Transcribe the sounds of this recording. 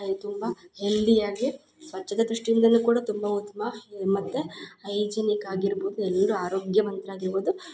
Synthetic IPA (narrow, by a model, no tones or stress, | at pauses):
t̪umbɐhelːijaːɡi | sʋɐt͡ʃːɐd̪ɐd̪ɾuʂʈiind̪ɐnːukuːɽɐt̪umbɐut̪ːɐmɐmɐt̪ːeɐjd͡ʒɐnikaːɡiɾboːd̪uɛlːɐɾuaːɾoːɡjɐmɐnt̪ɾaːɡiɾboːd̪u